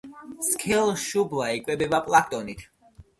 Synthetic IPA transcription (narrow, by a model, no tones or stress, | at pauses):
skʰɛlˠʃublˠaikʼwɛbɛbapʼlˠakʰt̪ʼɔnit̪ʰ